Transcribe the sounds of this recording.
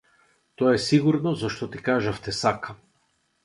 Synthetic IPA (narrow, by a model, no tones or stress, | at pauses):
t̪ɔaɛsiɡuɾnɔzaʃt̪ɔt̪ikaʒaft̪ɛsaka